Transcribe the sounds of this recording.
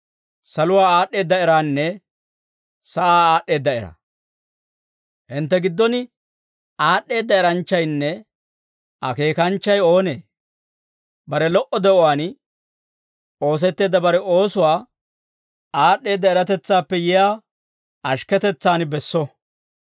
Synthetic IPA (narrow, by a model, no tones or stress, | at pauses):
sɐlʊwaːaːɗːe̞ːd̪ːɐɪɾaːnːɛ | sɐʔaːaːɗːe̞ːd̪ːɐɪɾɐ̰ | hɪnt̪ːɛɡɪd̪ːɔnɪ | aːɗːe̞ːd̪ːɐɛɾɐnt͡ʃːɐjnːɛ | ʔɐke̞ːkɐnt͡ʃːɐjo̞ːne | bɐɾɛlɔʔɔd̪ɛʔɔwaːn | o̞ːs̬ɛt̪ːe̞ːd̪ːɐbɐɾɛo̞ːsʊwaː | aːɗːe̞ːd̪ːɐɛɾɐt̪ɛt͡sːaːpːɛjɛjaː | ʔɐʃkɛt̪ɛt͡sːaːnbɛsːɔ